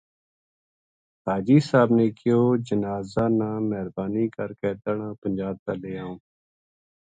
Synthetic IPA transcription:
haːd͡ʒiːsaːbneːkɪjoːd͡ʒənaːzaːnãːmɛɦɾbaːniːkəɾkeːt̪əɳãːpənd͡ʒaːb̚t̪aːleːãːũː

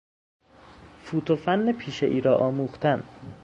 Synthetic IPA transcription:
fuːt̪ʰofænːepʰiːʃeʔiːɾɒːʔɒːmuːxt̪ʰæn

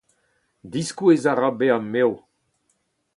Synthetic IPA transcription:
d̪iskuezaʁabeamːew

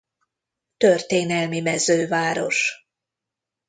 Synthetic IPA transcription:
t̪ørt̪eːnɛlmimɛzøːvaːɾo̞ʃ

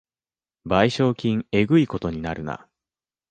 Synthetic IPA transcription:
baiɕo̞ːkʲĩŋe̞ɡɯ̟iko̞t̪o̞ɲ̟inaɾɯ̟na̰

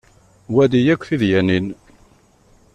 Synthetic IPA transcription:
wæd̪ijækʷːθiðjænin

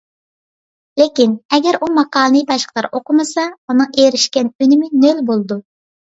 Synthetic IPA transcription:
lekʲinɛɡʲɛɾumɑqɑːlˠnɨjbɑʃqʰlˠɑɾʔoqʊmɨsɑunɨŋeɾɪʃkʲɛnynɪmɪnølbolˠɨd̪u

